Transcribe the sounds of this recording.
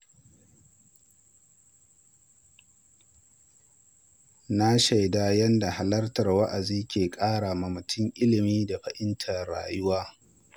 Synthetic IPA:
na˦ʃa˨jdaː˦jɐ˦nda˨ha˨lɐ˦rtɐ˨rwɐ˦ʔa˨ziː˦kʲeː˨kʼaː˦ɽa˨ma˨mʊ˨tʰʊ˦ŋʔɪ˦lɪ˨miː˦da˨ɸɐ˨ʔɪ˦ntʰɐ˨rɽa̰ː˨jʊ˦waː˦

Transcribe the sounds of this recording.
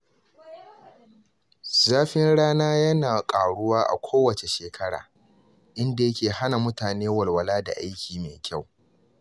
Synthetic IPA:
zaː˦ɸɪ˦nɽaː˦naː˦jɐ˦naː˨kʼaː˨ɽʊ˦waː˦ʔa̰˨kʷʰoː˦wɐ˨t͡ʃe˨ʃeː˨kʰɐ˦ɽa̰ː˨ | ʔɪ˦nda˨jɐ˦kʲeː˨ha˦na˨mʊ˦taː˨neː˦wɐ˨lwɐ˨laː˦da̰˨ʔa˦jkʲiː˨meː˨kʲa˦˨w

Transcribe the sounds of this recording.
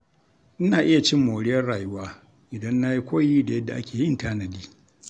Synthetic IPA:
ʔɪ˦naː˨ʔɪ˦ja˨t͡ʃɪ˦mːoː˨ɽɪ˦jɐ˦rɽaː˨jʊ˦waː˦ | ʔɪ˨dɐ˦nːa˦ji˦kʷoː˦jiː˦da˨jɐ˦dːa˨ʔa̰˦kʲeː˨jɪ˦ntaː˦nɐ˨diː˦

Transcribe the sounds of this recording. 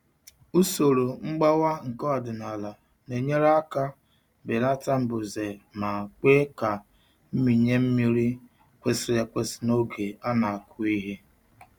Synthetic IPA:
u˦so˨ɾo˨ŋ͡m̩˦ɡ͡ba˦wa˦ŋ̩˨kɔ˦a˨dʊ˨na˨la˨ | ne˨ɲe˦ɾa˦a˦ka˦ | be˨la˦ta˦m̩˦bʊ˨ze˨ma˨k͡pe˦ka˨ | m̩˦mi˨ɲe˦m̩˦mi˦ɾi˦ | kʷe˦sɪ˦ja˦kʷe˦si̥˦no˦ɡe˨a˦na˨a˨kʰʊ˦i˦ɦe˦

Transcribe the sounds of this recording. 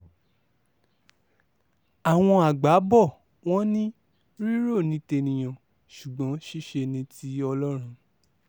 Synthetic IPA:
a˨w̃ɔ̃˧a˨ɡ͡ba˨˦bɔ˦˨ | w̃ɔ̃˦nĩ˦ | ɾi˦ɾo˦˨nĩ˨˦te˧nĩ˨j̃ã˨ | ʃu˨ɡ͡bɔ̃˨˦ʃi˦ʃe˧nĩ˧ti˨˦ɔ˧lɔ˦ɾ̃ũ˧

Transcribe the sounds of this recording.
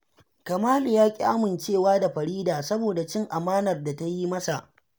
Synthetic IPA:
kɐ˨maː˦lu˨jaː˦kʲʼḭ˦ʔa˦mɪ˨nt͡ʃeː˦˨waː˦da˨ɸɐ˨ɾiː˦daː˨sɐ˦boː˨da˨t͡ʃɪ˦ŋʔa˨maː˦nɐ˨rda˨ta˦ji˦mɐ˦sa˨ʔ

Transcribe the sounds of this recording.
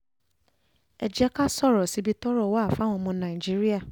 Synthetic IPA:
ɛ˨d͡ʒɛ˦ka˦sɔ˦˨ɾɔ˨si˨˦bi˦tɔ˦ɾɔ˦˨wa˦˨fa˨˦w̃ɔ̃˧mɔ̃˧˦nã˨ĩ˨d͡ʒi˦ɾi˦a˦˨

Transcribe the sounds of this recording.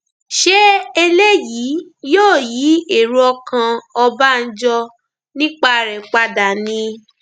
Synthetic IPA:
ʃe˦e˧le˦jiː˨˦joː˦˨jiː˨˦e˦˨ɾu˦ɔ˧kã˧ɔ˧ba˦n̩˦d͡ʒɔ˧ | nĩ˦k͡pa˦ɾɛ˨k͡pa˦da˨nĩ˧

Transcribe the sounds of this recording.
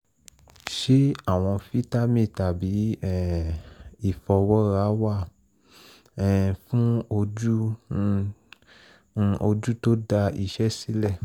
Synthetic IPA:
ʃe˦a˦˨w̃ɔ̃˧fi˦ta˦mĩ˦˨ta˨bi˨˦ɛ˦˨ | i˦˨fɔ˧wɔ˦ɾa˨˦wa˦˨˦ | fũ˦o˧d͡ʒu˦˨ | o˧d͡ʒu˦to˦da˧i˧ʃɛ˦si˦lɛ˦˨

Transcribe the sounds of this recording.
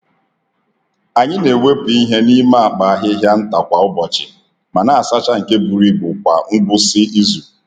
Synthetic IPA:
a˨ɲɪ˦ne˨we˦pi˦ɦe˦ni˦ma˦a˨k͡pa˨a˦ɦɪ˦ɦja˦n̩˦ta˨kʷa˨ʊ˦bɔ˨t͡ʃɪ˨ | ma˨na˨a˨sa˦t͡ʃa˦ŋ̩˨ke˦bu˨ɾi˦bʊ˨kʷa̰˨ŋ̩˦ɡ͡bʊ˦sɪ˦i˦zu˨

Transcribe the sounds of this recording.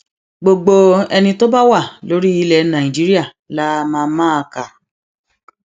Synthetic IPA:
ɡ͡bo˧ɡ͡bo˧ɛ˧nĩ˧to˦ba˦wa˦˨lo˦ɾi˦i˧lɛ˨nã˨ĩ˨d͡ʒi˨˦ɾi˦a˦˨ | la˦˧mãː˧mã˦a˧ka˨

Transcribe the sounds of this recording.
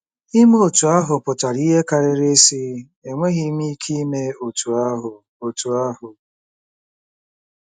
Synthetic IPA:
i˦m˦o˨tu˨a˦ɦʊ˨pʊ˨ta˨ɾi˦ɦe˦ka˨ɾɪ˦ɾe˦si˦ | e˨ŋʷe˦ɣi˦mi˦kʰi˦me˦o˨tu˨a˦ɦʊ˨ | o˨tu˨a˦hʊ˨

